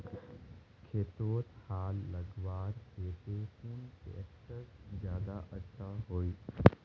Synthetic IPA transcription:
kʰeːt̪ʋot̪haːlːɐɡʋaːɾkeːt̪exuːnt̪ḛeksəszjaːd̪aʔətːʃʰaɦoːiː

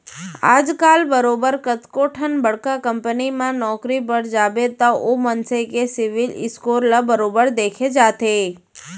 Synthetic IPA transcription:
a̰d͡ʒkalbəɾobəɾkət̪koʈʰənbəɽkakəmpənimãnɔkɾipəɽd͡ʒabet̪aʔomənsəjkesɪʋilɪ̰skoɾlabəɾobəɾd̪ekʰed͡ʒat̪ʰe

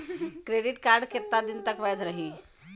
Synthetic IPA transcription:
kɾeɖiʈkaɾɖkʰet̪ːad̪int̪əkʋajd̪ʱɾəɦi

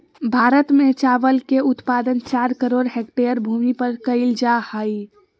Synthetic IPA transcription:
bʱaɾət̪met͡ʃaʋəlkeut̪pad̪ənt͡ʃaɾkəɾoɖɦek̚ʈeəɾbʱumipəɾkəɪld͡ʒahəj

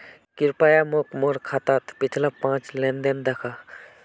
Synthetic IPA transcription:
kiɾpajamokmoɾkʰat̪at̪pit͡ʃʰlapãt͡ʃlẽnd̪end̪ekʰa

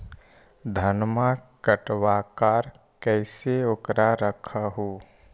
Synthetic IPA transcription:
d̪ʱənmãkəʈwaːkaːɾ | kɛːseokɾaɾəkʰaɦoː

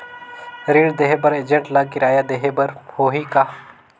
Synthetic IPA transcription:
ɾiːɽd̪eɦebɐɾeːd͡ʒə̃ɳʈlaːkɪɾaːjad̪eɦebɐɾhoːɦika

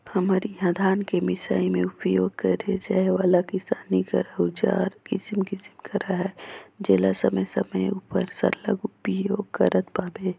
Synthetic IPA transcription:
hɐmaːɾiɦãːd̪ʱaːnkemɪsaːimẽʊpjoːɡ̚kəɾed͡ʒaːeʋaːlakɪsaːnikə̰ɾaɦut͡ʃa̰ːɾkɪsmkɪsmkɐɾaɦɛːd͡ʒeːlasəməjsəməjuːpəɾsə̰ɾlə̰ɡʊpjoːɡkəɾət̪paːbeː

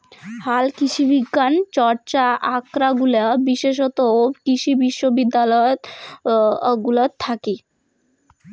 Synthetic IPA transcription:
halkit͡ɕʰibiɡːant͡ɕɔɾt͡ɕaʔakɾaɡulebiʃeʃ̬ɔt̪okiʃʰibiʃːobid̪ːalɔot̪ | ɡulot̪ʰːaki

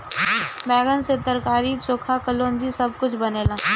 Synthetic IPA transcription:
bɛːɡənset̪əɾkaːɾit͡ʃoːkʰakəloːnd͡ʒisɐb̚kʊt͡ʃʰbɐneːlãː

